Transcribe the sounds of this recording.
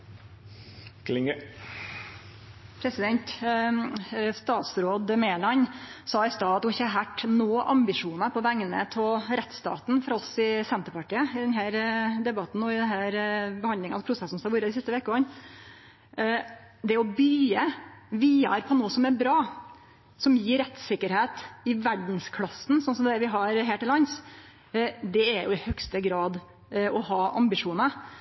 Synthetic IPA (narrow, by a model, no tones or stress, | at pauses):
klɪŋə | pʰɾɛsɪd̪ɛnt̪ | st̪ɑːt̪sɾoːd̪meːlɑnsɑːɪst̪ɑːɑt̪ʊɪçːəɑɾɦæʈːnoːʔɑmbɪʂuːnəpʰɔʋæŋːənə̰t̪ʰɔlɾɛt̪st̪ɑ̰ːt̪nfɔɾɑlsɪsɛnt̪əɾpɑʈiːəɪd̪ɛnɦæːɾd̪ɛbɑt̪n̩ɔɪd̪ɛnɦæːɾbəhɑnd̪ɪŋɑspʰɾʊsɛsn̩st̪ɑʋuːɾəd̪ɪsɪst̪əʋeːkəɔn | d̪ɛɔbyːəʋiːɑ̰ɾpʰɔnoːsɔmæɾbɾɑː | sɔmjiːɾɛt̪sɪkːəɾheːt̪ɪʋæɖɳ̩skʰlɑsn̩sɔnsɔmd̪ɛʋɪɦɑɾɦæːʈɪlɑns | d̪ɛːɾjʊ̰ɪhœkst̪əɡɾɑːd̪ | ɔhɑːʔɑ̰mbɪʂuːnə